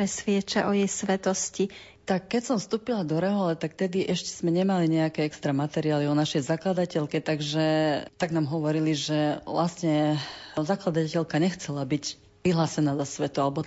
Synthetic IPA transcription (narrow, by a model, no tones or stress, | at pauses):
ɾɛsʋɪɛt͡ʃaʔɔjɛjsʋɛt̪ɔsci | t̪akːɛcsɔmfst̪uːpilad̪ɔɾɛɦɔlɛt̪akt̪ɛd̪iʔɛʃcɛ̥z̥mɛɲɛmaliɲɛakɛɛkst̪ɾamat̪ɛɾiaːliɔnaʃɛjzaklad̪acɛlkɛt̪aɡʒɛt̪aɡnaːmɦɔʋɔɾiliʒɛʋlast̪ɲɛzaklad̪acɛlkaɲɛxt͡sɛlabic | ʋiɦlaːsɛnaːzasʋɛt̪ualɛbɔ